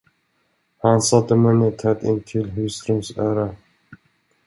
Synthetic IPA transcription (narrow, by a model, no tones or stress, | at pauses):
hansat̪ːəmɛnət̪ʰɛt̪ɪ̰nt̪ʰɪlɦʉst̪ɾɵmsœːɾa